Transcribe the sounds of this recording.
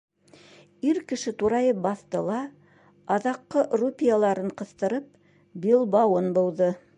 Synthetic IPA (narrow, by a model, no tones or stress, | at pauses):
iɾkɘ̆ʃɘt̪uɾɑjɤp̚bɑθt̪ɤlˠɑ | ɑðɑqːɤʔrupʲijalˠɑɾɤɴqɤ̆θt̪ɤ̆ɾɤp̚ | bʲilˠbɑwɤnbŏlˠdɤ